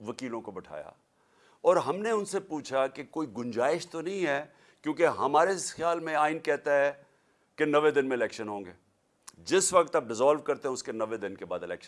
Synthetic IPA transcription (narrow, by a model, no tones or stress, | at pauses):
ʋɐkiːlõkobɐʈʰa̰ːja̰ | ɔːɾɦɐmneʊnsepuːt͡ʃʰakekoːiɡʊ̃ɲd͡ʒaːɪʃt̪onɐɦĩɦɛː | kjõːkeɦɐmaːɾesxjaːlmẽaːɪnkɛɦt̪aɦɛ | kenɐʋed̪ɪnmẽɪlɛːkʃənɦõːŋɡeː | d͡ʒɪsʋɐk̚t̪ɐb̚ɖɪzaːlʋkɐɾt̪eɦɛ̃ʊskenɐʋed̪ɪnkebaːd̪ɪlɛ̰ːkʃə